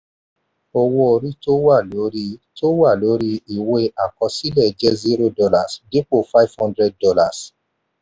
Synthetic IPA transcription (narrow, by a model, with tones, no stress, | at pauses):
o˨wo˧o˨ɾi˦to˦wa˦˨lo˨˦ɾi˦to˦wa˦˨lo˨˦ɾi˦i˨we˦a˨kɔ̃˧si˦lɛ˦˨d͡ʒɛ˦zi˦ɾo˦dɔ˧la˨sde˦k͡po˦˨fa˦i˦vhɔ̃˦ndɾɛ˧˦d̚ːɔ˧la˨s